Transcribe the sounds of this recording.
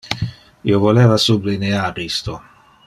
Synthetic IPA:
ḭovolɛːvasublineaːɾist̪o

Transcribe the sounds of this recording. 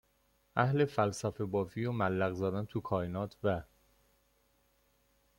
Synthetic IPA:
ʔæhle̞fælsæfe̞bɒːviːɾɒːmælːæɣzæd̪ænt̪ʰukʰɒːenɒːt̪ʰvæ

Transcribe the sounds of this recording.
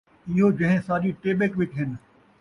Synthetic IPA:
ɪɦod͡ʑɐ̃ɦɪ̃saːɗiʈeːɓekʋɪt͡ɕɦɪnɪ̆

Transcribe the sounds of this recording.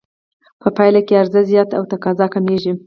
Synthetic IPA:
pʰəpɑjlakeaɾzazjɑt̪a̰wt̪akɑzɑkameʒi

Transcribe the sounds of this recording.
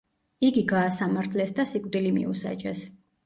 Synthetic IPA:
iɡiɡaːsamaɾt̪ʰlɛsd̪asikʼd̪ilimḭusa̰t͡ʃʼɛ̰s

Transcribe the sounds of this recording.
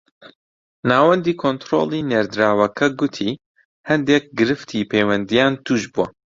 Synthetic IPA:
naːwɐnd̪iːkʰont̪ɾo̰lˠiːneːɾd̪ɾaːwɐkʰɐɡʊt̪ʰiː | hɐnd̪ek̚ɡɨɾɨft̪ʰiːpʰejwɐnd̪ijaːnt̪ʰuːʒbuwɐ

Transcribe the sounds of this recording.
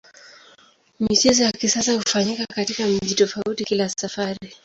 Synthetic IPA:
mit͡ʃɛzɔjakisasahufaɲikakatikam̩ʄitɔfautikilasafaɾi

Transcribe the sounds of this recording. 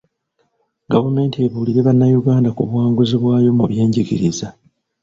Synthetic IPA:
ɡavume̞ːntieβuːliɾe̞βanːajuɡaːndakuβwaːŋɡuziβwaːjo̞muβje̞ːɲɟiɡiɾiza

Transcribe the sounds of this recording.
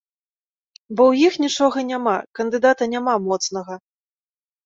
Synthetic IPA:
bɔwjixnʲit͡ʂɔɣɐnʲamakɐnd̪ɨd̪at̪ɐnʲamamɔt̪snɐɣɐ

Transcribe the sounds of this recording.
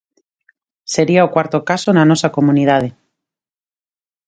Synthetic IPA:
se̞ɾiaokwaɾt̪okasonano̞sako̞muniðað̞e

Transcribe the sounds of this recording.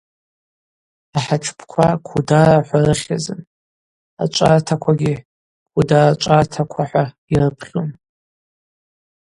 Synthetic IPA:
aħaʈ͡ʂʰpʰkʷʰakʷʰudaraħʷarɨχʲazɨn | a̰t͡ʃʷʼartʰakʷʰaɡʲi | kʷʰudarat͡ʃʷʼartʰakʷʰaħʷa | irɨpʰχʲon

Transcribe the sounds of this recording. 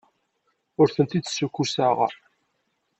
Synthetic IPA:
ʊɾθənt̪id̪sːukːusaʁ̰

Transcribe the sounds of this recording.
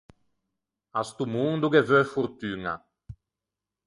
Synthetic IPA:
ast̪umund̪uɡevøfuɾt̪yŋa̰

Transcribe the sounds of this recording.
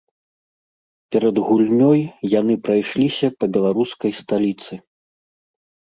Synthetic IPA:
pʲɛɾɐd̪ɣulʲnʲɔjjanɨpɾajʂlʲisʲɐpɐbʲɛlˠaɾuskɐjst̪alʲit̪sɨ

